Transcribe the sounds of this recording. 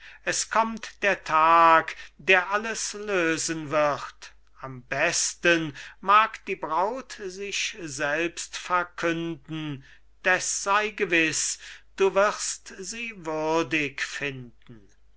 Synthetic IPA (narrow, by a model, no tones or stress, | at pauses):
ɛskʰɔmtd̥eːɐtʰaːkd̥eːɐʔaləsløːzənvɪχt | ambɛstənmaːkd̥iːbʁaʊtzɪʃzɛlpstfɛɐkʰʏndn̩ | d̥ɛsz̥aɪɡəvɪsd̥uːvɪʁstz̥iːvʏɐdɪkfɪndn̩